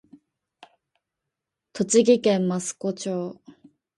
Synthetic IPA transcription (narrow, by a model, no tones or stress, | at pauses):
t̪ot͡ɕiɡikemmːasɨ̥kot͡ɕo